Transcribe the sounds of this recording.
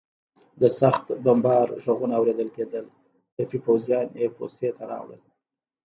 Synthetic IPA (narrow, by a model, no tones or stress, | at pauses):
d̪əsaxt̪bambɑɾʒoɣunaːwɾed̪əlked̪əl | t̪apipawzijɑnjepo̰st̪et̪aɾɑ̰wɽə̰l